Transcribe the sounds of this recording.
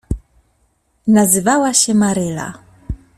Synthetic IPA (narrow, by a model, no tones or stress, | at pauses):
nazɨvawaɕɛmaɾɘla̰